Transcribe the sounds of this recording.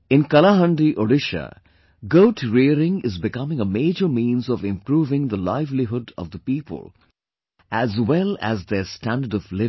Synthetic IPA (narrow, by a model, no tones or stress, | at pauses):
ɪ̃nkʌlaɦə̃ɳɖiʔoɖɪʃə̰ | ɡoʊʈʰɾiəɾɪ̃ŋɪzbɪkʌmɪ̃ŋəmeːd͡ʒəɾmĩːnzɔvɪ̃mpɾuːvɪ̃ŋd̪əlaɪvliɦʊɖɔ̰vd̪əpiːpə̰lˠ | æzwɛlæ̰zd̪eɾsʈæ̃nɖəɖɔvlɪ